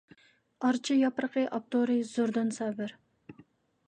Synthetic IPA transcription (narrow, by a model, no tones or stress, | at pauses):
ɑɾt͡ʃʰijɑpɾəqʰəʔɑp̚t̪oɾɨz̥oɾd̪ɨnsɛbɪɾ